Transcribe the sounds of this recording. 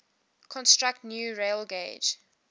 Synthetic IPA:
kʰɔ̃nstɹak̚tnjuːɹeɪlɡeɪd͡ʒ

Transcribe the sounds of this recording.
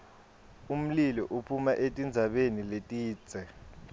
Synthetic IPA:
um̩lilɔʔupʰumaʔetʼind͡zʱaɓeniletʼiːt͡sɛ

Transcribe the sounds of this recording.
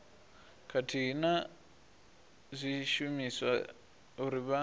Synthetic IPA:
kʰatʰiɦina | zʷiʃumiswa | uɾiβa

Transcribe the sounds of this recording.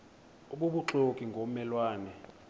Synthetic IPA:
oɓuɓuǁokʼiŋɡʱomɛlwaːnɛ

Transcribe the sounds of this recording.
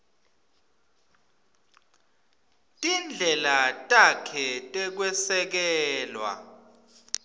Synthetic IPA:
tʼind͡ɮʱɛlatʼakʰɛtʼɛk̬wɛsɛk̬ɛːlwa̰

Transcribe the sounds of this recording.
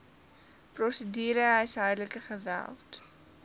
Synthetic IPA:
prɔsədiːɾəɦɛjsɦœjrləkəχəvæ̰lˠt

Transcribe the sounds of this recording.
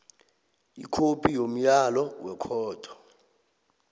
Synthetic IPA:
ḭkʰopʰʼijom̩jalɔwɛkʰɔːtʰʼɔ̥

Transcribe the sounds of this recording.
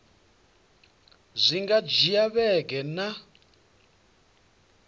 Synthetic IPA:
zʷiŋɡad͡ʒijaβɛɡɛna

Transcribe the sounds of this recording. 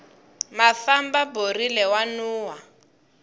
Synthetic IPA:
mafambaborilɛwanuːwa

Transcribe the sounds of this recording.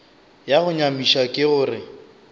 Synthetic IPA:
jaɣʊɲamiʃakʼɪɣʊːrɪ

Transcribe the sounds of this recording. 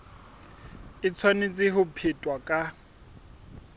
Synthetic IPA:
ɪt͡sʰwanet͡sʼɪɦʊpʰɪtʼwakʼa

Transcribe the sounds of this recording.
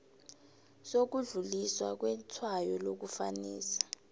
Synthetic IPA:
sok̬uɮuliswa̰k̬wɛtʰwajɔlok̬ufa̰niːsḁ

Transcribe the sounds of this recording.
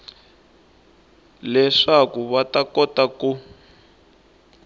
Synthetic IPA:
lɛʂakuβatakɔtaku

